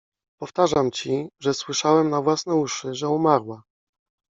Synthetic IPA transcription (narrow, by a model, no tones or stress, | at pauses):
pɔft̪aʐamt͡ɕiʐɛswɘʂawɛmnavwasnɛuʂɘʐɛumaɾwa